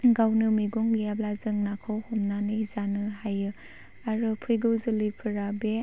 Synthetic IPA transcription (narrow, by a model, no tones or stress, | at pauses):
ɡawnɯmiɡɔŋlijablazɯŋnakʰɯwhɔmnanɯzanɯɦajɯ | aɾɯpʰɯjɡɯwzɯlijpʰɯɾabe